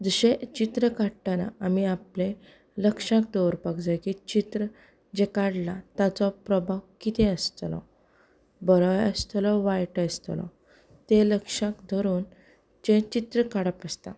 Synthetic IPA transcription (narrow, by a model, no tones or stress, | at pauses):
d͡zəɕet͡ɕit̪ɾəkaɽʈana̰amiaple | ləkʂãk̚d̪ɔɾpakd͡zajkit͡ɕit̪ɾə | d͡ʑekaɽlat̪at͡sɔpɾɔbʱawkit̪ʰeəst̪lɔ̰ | bəɾɔjəst̪lɔʋajʈəst̪lɔ̰ | t̪eləkʂãkd̪ʱɔɾuːn | d͡ʑet͡ɕit̪ɾəkaɽəpəst̪a̰